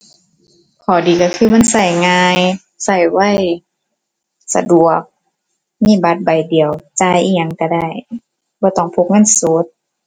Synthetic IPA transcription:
kʰɔː˨˩˦diː˨˩ka˧˩kʰɯː˧˩˨ma˧˥˨nsa˧˩jŋaː˧j | sa˧˩jwa˧˩˨j | sa̰˧du˨˩ək̚ | miː˧˥˨ba˧˦t̪̚ba˨˩jdi˨˩əwt͡ɕaː˧˨jʔiː˧˩ɲa˧˩˨ŋka˧˩da˧˥˩j | bɔː˧˦t̪ɔː˧˩ŋpʰo˧˥k̚ŋɤ˧˥˨nsu˧˨˦t̪̚

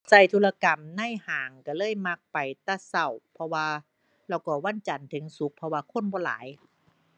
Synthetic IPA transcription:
sa˧˩jt̪ʰuː˧la˧ka˨˩mna˧˥˨jhaː˨˩ŋka˧˩lɤː˧˥˨jma˧k̚pa˨˩jt̪a˧sa˧˩wpʰɔ˧waː˧ | lɛ˧˩wkɔː˧˩wa˧˥˨nt͡ɕa˨˩nt̪ʰɯ˨˦ŋsu˧˦˥k̚pʰːɔ˧waː˧kʰo˧˥˨nbɔː˧˦la̰ː˨˦j

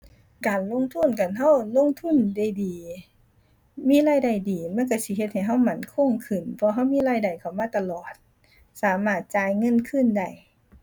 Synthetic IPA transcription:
kaː˨˩nlo˧˥˨ŋt̪ʰu˧˥˨nk̬a˨˩nɦa˧˥˨wlo˧˥˨ŋt̪ʰu˧˥˨nda˨˩jdiː˨˩ | miː˧˥˨laː˧˥˨jda˨˩jdiː˨˩ma˧˥˨k̬a˧˩si˧˦ɦe˧t̪̚ha˨˩jɦa˧˥˩wma˧˩˦nkʰo˧˥˨ŋkʰɯ˨˩npʰɔː˧ɦa˧˥˨wmiː˧˥˨laː˧˥˨jda˨˩jkʰa˧˩wmaː˧˥˨t̪a˧lɔː˨˩t̪̚ | saː˨˦maː˧˩t̪̚t͡ɕaː˧˦jŋɤ˧˥˨nkʰɯ˧˥˨nda˧˩j

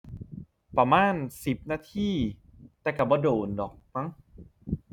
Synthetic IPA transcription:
pɾa˧˩maː˧˥˩nsi˨˩p̚naː˥˩t̪ʰiː˥˩ | t̪ɛː˨˩ka˨˩bɔː˧˩doː˨˩ndɔː˨˩k̚ma˧˥ŋ

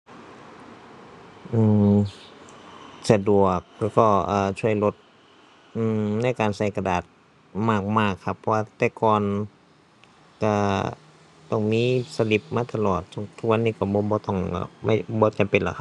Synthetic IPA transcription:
ʔɯː˧˩ | sa˧du˨˩ək̚lɛː˧˩kɔː˧˩ʔaː˨˩t͡ɕʰu˧˥˩əjlo˧t̪̚ | ʔɯː˧˩na˧˥˨jkaː˨nsa˧˩jka˧˩daː˨˩t̪̚ | maː˧˩k̚maː˧˩kʰːa˧pʰːɔ˧waː˧t̪ɛː˧kɔː˨n | ka˧˩ | t̪ɔ˧˩ŋmiː˧˥˨sa˧li˧˥p̚maː˧˥˧t̪a˧lɔː˨˩t̪̚so˧t̪ʰu˧k̚wa˧˨nːiː˧˩˨kɔ˧˩bɔː˧˦bɔː˧˦t̪ɔ˧˩ŋ̰ː˧˩ma˧˥˩jbɔː˧t͡ɕa˨mpe˨nla̰˧˩kʰa˧p̚

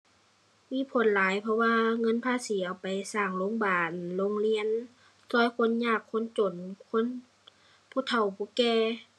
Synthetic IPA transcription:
miː˧˥˨pʰo˨˦nlaː˨˦jpʰɔ˧waː˧ŋɤ˧˥˨npʰaː˧˥˨siː˨˦ʔa˨˩wpa˨˩jsaː˧˩ŋlo˧˥˨ŋbaː˨˩nlo˧˥˨ŋli˧˥ə˨n | sɔː˧˨jkʰo˧˥˨nɲaː˧˩kʰːo˧˥˨nt͡ɕo˨˩˨nkʰo˧˥˨n | pʰuː˧˨t̪ʰa˨˩wpʰuː˧˦kɛː˧˩

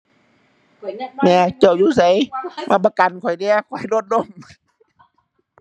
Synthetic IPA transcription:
nɛː˧˩t͡ɕe˧˩˨wjuː˧˨s̬a˨˦jmʔaː˧˩p̬a˧ka˨nkʰɔ˨˩jdɛ˧˨kʰɔ˨˩jlo˧t̪̚do˧˥˨m

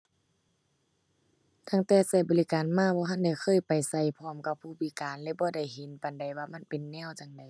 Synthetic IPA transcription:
t̪ʰaː˧˩ŋt̪ɛː˧˩sa˧˩jbɔː˨li˧kaː˨nmaː˧˨bɔː˧ɦa˧˥˨nda˧˩jxʰɤː˧˥˨jpa˨jsa˧˩jpʰɔː˧˥˨mka˧p̚ʰːuː˧˩biː˧˩˨kaː˨˦nlɛː˧˨bɔː˧˦da˧˩˨jhe˨˦npa˨nda˨jwaː˧ma˧˥˨npe˨nːɛː˧˥˨wt͡ɕa˨ŋda˨˦j

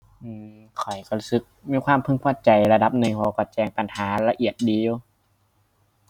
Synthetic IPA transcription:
ʔɯː˧˩m | kʰɔ˨˩jkʰɔ˧˩lu˧sɯ˧˦k̚miː˧˥˧kʰwaː˧˥˨mpʰɯ˧˩ŋpʰɔː˧˩t͡ɕa˨jla˧da˧˦p̚nɯ˨˩ŋɦʰɔː˧˦kɔ˧˩t͡ɕɛː˧˩ŋpa˧nhaː˩˦la˧ʔi˨˩ət̪̚diː˧

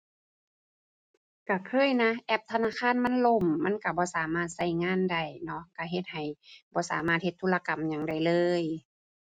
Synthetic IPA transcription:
ka˧˩kʰɤː˧˥˨jna˧˥ʔɛː˧˩p̚t̪ʰa˧naː˧˥˨kʰaː˧˥˨nma˧˥˨nlo˧˩˨mːa˧˥˨nka˧˩bɔː˧˦saː˨˦maː˧˥˩t̪̚sa˧˩jŋaː˧˥˨nda˧˩jnɔ˧˦˥ka˧˩ɦe˧˦t̪̚ha˨˩jbɔː˧˦sa̰ː˨˦maː˧t̪̚he˧t̪ʰːu˧˥˨la˧ka˨˩mɲa˧˩ŋda˧˩jlɤː˧j

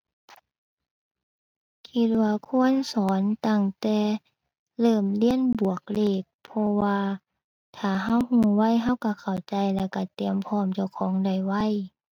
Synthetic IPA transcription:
kʰi˧t̪̚waː˧kʰu˧˥˨ənsɔː˨˦nt̪a˧˩ŋt̪ɛː˧ | lɤː˧˩mli˧˥˨ənbu˨˩ək̚leː˧˩k̚pʰɔ˧waː˧ | t̪ʰaː˨˩ɦa˧˥˨whuː˧˩wa˧˥˨jɦa˧˥˩wka˧˩kʰa˨˩wt͡ɕa˧˦jlɛː˧˩wka˧˩t̪i˧˩˨əmpʰɔː˧˩˨mt͡ɕa˧˩wkʰɔː˨˦ŋda˧˩jwa˧˥˨j

